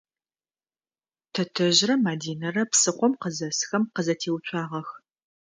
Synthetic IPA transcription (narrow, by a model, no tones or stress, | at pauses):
tʰɐtʰɐʑrɐmaːdiːnɐrɐpsɨqʷɔmqəzɐsxɐmqəzɐtʰeːwt͡ʃʷʰʼɑːʁɐx